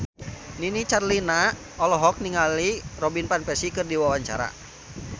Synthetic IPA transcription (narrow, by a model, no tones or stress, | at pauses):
ninit͡ʃarlina | ɔlɔɦɔk̚niŋalirɔbinpanpɛsikɨrdiwawaɲt͡ʃa̰ɾa̰